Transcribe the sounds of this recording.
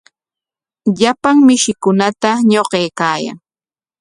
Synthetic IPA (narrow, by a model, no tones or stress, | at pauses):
ʎapaŋmɪʃɪkʊnat̪aɲoqejkaːja̰ŋ